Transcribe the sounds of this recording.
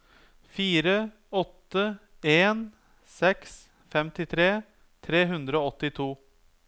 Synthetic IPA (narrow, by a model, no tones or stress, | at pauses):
fiːɾə | ɔt̪ːə | eːn | sɛks | fɛmt̪ɪt̪ʰɾeː | t̪ʰɾeːɦʉnd̪ɾəoːɔt̪ːɪt̪ʰuː